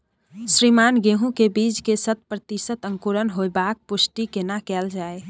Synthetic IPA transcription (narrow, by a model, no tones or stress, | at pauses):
sɾimaːnɡeɦũkebit͡ʃkesət̪̚pɾət̪iʃət̪ə̃ŋkuɾənɦoebak̚pʊsʈikenakɛld͡ʒaːe